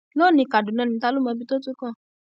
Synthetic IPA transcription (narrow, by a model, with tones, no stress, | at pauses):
lo˦˨nĩ˧˦ka˨du˨nã˨˦˨nĩ˧˦ta˦lo˦mɔ̃˧bi˦to˦tu˦kã˦˨